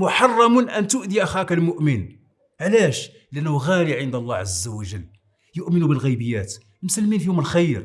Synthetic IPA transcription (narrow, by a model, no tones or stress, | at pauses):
mʊħɑrˤːɑmʊnʔænt̪ʊʔd̪iʔæxækælmʊʔmən | ʕlæʃ | liʔænːhuɣæliʕənd̪ɑlˤːɑʕazːæwəʒəlː | jʊʔmənubəlɣijbəjːæt̪ | msəlminfihʊməlxæjɾ